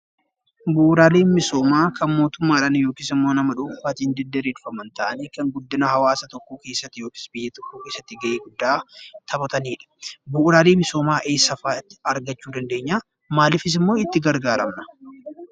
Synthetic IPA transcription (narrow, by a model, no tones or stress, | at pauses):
buʔɾaːleːnmɪso̞ːmaːkʰɐnmo̞ːt̪ʊmːaːᶑɐnjoːkɪsɪmːo̞ːnɐmɐᶑʊːfaːt̪ind̪ɛd̪ɛɾeːᶑʊfɐmɐnt̪ɐʔɐneːkɐŋɡʊd̪ːɪnɐhɐwaːsɐt̪ɔkːuːke̞ːsːɐt̪ːɪjo̞ːkɪ̥sbɪjːɐt̪ɔkːokeːsːɐt̪ːɪɡɐʔeːɡʊd̪ːaːt̪ʰɐbɐt̪ɐniːᶑɐ̥bʊʔɾaːleːmɪsoːmaːʔeːsːɐfaːt̪ːɪɐɾɡɐt͡ʃːuːd̪ɐnd̪e̞ːɲːaː | maːlɪfɪs̬ɪmːo̞ːɪt̪ːɪɡɐɾɡaːɾɐmnɐ̥